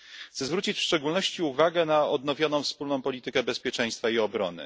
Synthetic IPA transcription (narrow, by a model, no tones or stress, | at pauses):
t̪sɛzvɾut͡ɕit͡ɕfʂt͡ʂɛɡulnɔɕt͡ɕiuvaɡɛnaɔd̪̚n̪ɔvʲjɔnɔ̃w̃fspulnɔ̃w̃pɔlʲit̪ɘkɛbɛspʲjɛt͡ʂɛ̃j̃st̪faiɔbɾɔ̰nɘ̰